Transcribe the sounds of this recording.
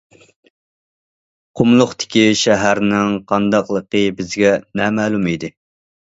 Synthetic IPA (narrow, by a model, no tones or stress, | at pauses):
qʰʊmlˠʊχt̪ɪ̥kʲiʃæɦæɾnɪŋqʰɑnd̪ɑqlˠəqəbɪzɡʲɛnɛmɛːlˠumid̪ɪ